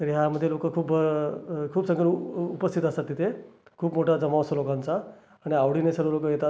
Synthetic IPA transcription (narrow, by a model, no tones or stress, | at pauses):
t̪əɾiɦjaməd̪ʱːjelokəkʰuːp | kʰuːbsəŋɡəɽupəst̪ʰit̪əst̪at̪ːit̪ʰekʰuːpmoʈʰad͡zəmaʋsəlokant͡saː | ɽ̃iaʋɽ̤inesəɽʋəlokəjet̪a